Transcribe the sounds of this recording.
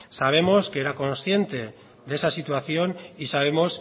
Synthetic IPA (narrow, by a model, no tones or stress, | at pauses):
saβ̞e̞mo̞skeeɾako̞nsθje̞nt̪e̞ | d̪e̞sasit̪waθjo̞nisaβ̞e̞mo̞s